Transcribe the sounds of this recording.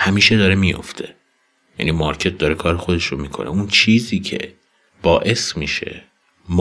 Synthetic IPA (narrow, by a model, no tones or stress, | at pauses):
hæmiːʃed̪ɒːɾemijo̞̰ft̪ʰe̞ | jæ̰nimɒɾcʰe̞t̪̚d̪ɒɾekʰɒːɾexo̞d̪e̞ʃɾomiːkʰo̞̰nʔeunt͡ʃʰiːziːcʰḛ | b̥ɒːʔe̞smiːʃe̞̰ | m